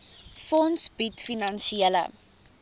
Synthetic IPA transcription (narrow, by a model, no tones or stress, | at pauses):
fɔnsbitfinɐnʃiələ̰